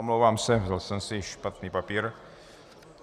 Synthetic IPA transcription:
omlowvaːmsɛvdalsɛmsɪʃpat̪niːpapiːɾ

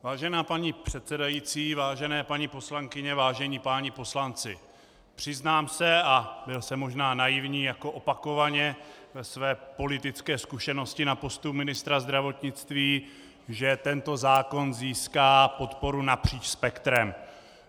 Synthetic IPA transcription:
vaːʒɛnaːpaɲipr̝̥ɛt̪t͡sɛdajit͡siːvaːʒɛnɛːpaɲipo̞slaŋkɪɲɛvaːʒɛɲipaːɲɪpo̞slant͡sɪ̰ | pr̥ɪznaːmsɛabɪlsɛmːo̞ʒnaːnajɪvɲiːjako̞ʔo̞pako̞vaɲɛvɛsvɛːpo̞lɪt̪ɪt͡skɛːskuʃɛno̞scɪnapo̞st̪upmɪnɪst̪ɾazd̪ɾavo̞t̪ɲɪt͡st̪viː | ʒɛt̪ɛnt̪o̞zaːko̞nziːskaːpo̞t̪po̞ɾunapr̝̥iːt͡ʃspɛkt̪ɾɛm

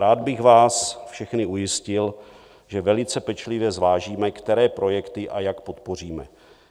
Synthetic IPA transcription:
ɾaːd̪̚bɪɣvaːsfʃɛxnɪujɪscɪl | ʒɛvɛlɪt͡sɛpɛt͡ʃlɪvjɛzvaːʒiːmɛkt̪ɛɾɛːpɾʔo̞jɛkt̪ɪʔajakpot̪po̞r̝iːmɛ̰

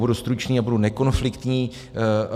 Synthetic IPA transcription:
budust̪ɾut͡ʃniːabudunɛko̞nflɪkt̪ɲiː

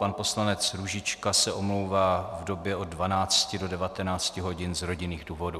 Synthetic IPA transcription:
panpo̞slanɛt͡sɾuʒɪt͡ʃkasɛʔo̞mlo̞wvaːvdo̞bjɛʔo̞dvanaːt͡scɪdo̞dɛvat̪ɛnaːt͡scɪɦo̞ɟɪnzɾo̞ɟɪniːɣduːvo̞du

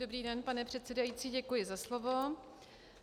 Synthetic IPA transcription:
obɾiːdɛnpanɛpr̝̥ɛt̪t͡sɛdajit͡siːɟɛkujɪzaslovo̞

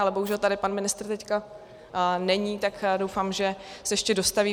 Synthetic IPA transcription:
alɛbo̞ɦuʒɛlt̪adɪpanmɪnɪst̪rt̪ɛcka | nɛɲiːt̪akdowfaːmʒɛsɛjɛʃcɛdo̞st̪aviː

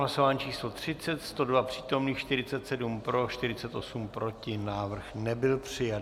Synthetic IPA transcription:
ɦlaso̞vaːɲt͡ʃiːslo̞t̪r̝̥ɪt͡sɛt̪st̪o̞dvapr̝̥iːt̪o̞mniːxʃt̪ɪɾɪt͡sɛt̪sɛdumpɾo̞ʃt̪ɪɾɪt͡sɛt̪ʔo̞sumpɾo̞cɪnaːvr̩xnɛbɪlpr̥ɪja

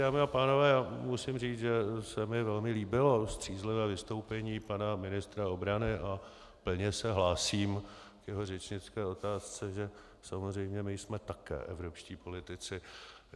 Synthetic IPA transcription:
aːmiapaːno̞vɛːjaːmusɪmriːt͡sʒɛsɛmɪvɛlmɪliːbɪlo̞st̪r̥iːzlɪvɛːvɪst̪o̞wpɛɲiːpanamɪnɪst̪ɾao̞bɾanɪʔa | pl̩ɲɛsɛɦlaːsiːm | kjɛɦo̞r̝ɛt͡ʃɲɪt͡skɛːo̞t̪aːst͡sɛʒɛ | samozrɛjmɲɛmɪjsmɛt̪akɛ̰ːʔɛvɾo̞pʃciːpo̞lɪt̪ɪt͡sɪ

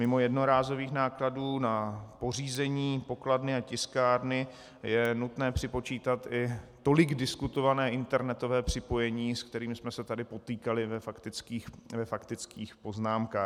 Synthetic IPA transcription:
mɪmo̞jɛdno̞ɾaːzo̞viːxnaːkladuːnapo̞riːzɛɲiːpo̞kladnɪacɪskaːɾnɪ | jɛnut̪nɛːpr̝̥ɪpo̞t͡ʃiːt̪at̪ɪt̪o̞lɪɡdɪskut̪o̞vanɛːʔɪnt̪ɛɾnɛt̪o̞vɛːpr̝̥ɪpo̞jɛɲiːsk̚t̪ɛɾiːmɪsmɛsɛt̪adɪpo̞t̪iːkalɪvɛfakt̪ɪt͡skiːxvɛfakt̪ɪt͡skiːxpo̞znaːmkaː

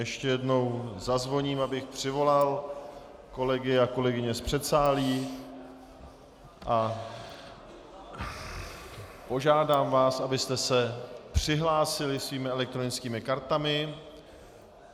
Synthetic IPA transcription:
jɛʃcɛjɛdno̞wzazvo̞ɲiːmabɪxpr̝̥ɪvo̞lal | ko̞lɛɡɪako̞lɛɡɪɲɛspr̝̥ɛt̪saːliː | ʔa | po̞ʒaːdaːmvaːsʔabɪst̪ɛsɛpr̥ɪɦlaːsɪlɪsviːmɪɛlɛk̚t̪ɾo̞nɪt͡skiːmɪkaɾt̪amɪ

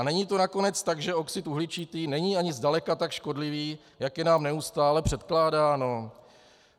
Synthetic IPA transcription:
anɛɲit̪o̞nako̞nɛt͡st̪aɡʒɛo̞ksɪt̪uɦlɪt͡ʃit̪iːnɛɲiːaɲɪzdalɛkat̪akʃko̞dlɪviː | jakjɛnaːmnɛust̪aːlɛpr̝̥ɛt̪klaːdaːno̞

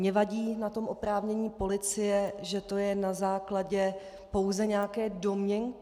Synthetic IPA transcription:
mɲɛvaɟiːnat̪o̞mʔopɾaːvɲɛɲiːpo̞lɪt͡sɪjɛʒɛt̪o̞jɛnazaːklaɟɛ | po̞wzɛɲɛakɛːdo̞mɲɛn

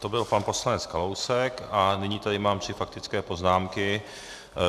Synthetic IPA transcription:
t̪obɪlpanpo̞slanɛt͡skalowsɛkanɪɲit̪adɪmaːmt̪r̥ɪfak̚t̪ɪt͡skɛːpo̞znaːmkɪ

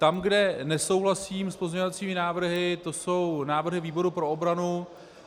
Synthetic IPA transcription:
t̪amɡdɛnɛso̞wɦlasiːmspo̞zɲeɲovat͡siːmɪnaːvr̩ɦɪt̪o̞so̞wnaːvr̩ɦɪviːbo̞ɾupɾo̞obɾanu

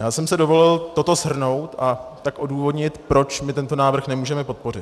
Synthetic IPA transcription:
jaːsɛmsɛdo̞vo̞lɪlt̪o̞t̪o̞zɦr̩no̞wt̪ʔat̪akʔo̞duːvo̞dɲɪt̪pɾo̞t͡ʃmɪt̪ɛnt̪o̞naːvr̩xnɛmuːʒɛmɛpo̞t̪̚po̞rɪt̪

